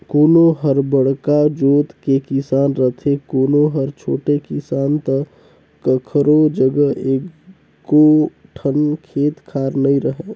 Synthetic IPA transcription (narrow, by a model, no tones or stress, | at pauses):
koːnoɦəɾbəɽkad͡ʒoːt̪kekɪsaːnɾət̪ʰekoːnoɦəɾt͡ʃʰoːʈekɪsaːnt̪ə | kəkʰɾod͡ʒəɡəeː | koʈʰənkʰeːt̪kʰaːɾnəĩɾəɦeː